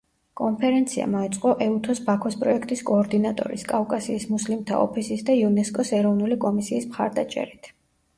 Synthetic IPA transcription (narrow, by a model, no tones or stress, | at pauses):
kʼɔnpʰɛɾɛnt̪sʰia̰maɛt̪sʼqʼɔʔɛut̪ʰɔsbakʰɔspʼɾɔɛkʰt̪ʼiskʼɔːɾd̪inat̪ʼɔ̰ɾḭskʼavkʼasiːsmuslimt̪ʰa̰ɔ̰pʰisisd̪aiunɛskʼɔsɛɾɔvnulikʼɔmisiːsmχa̰ɾd̪at͡ʃʼɛ̰ɾit̪ʰ